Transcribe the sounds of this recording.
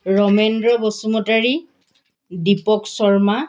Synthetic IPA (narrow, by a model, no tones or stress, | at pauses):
ɹɔmendɹɔbɔsumɔtaɹi | dipɔksɔɹma